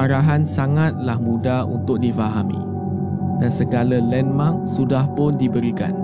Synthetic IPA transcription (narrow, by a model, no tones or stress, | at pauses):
aɾaɦansaŋat̪̚lahmũdaṵnt̪ʊk̚difaɦamḭ̃ | dansəɡalalɛnmãŋsudahpʊndibəɾika̰n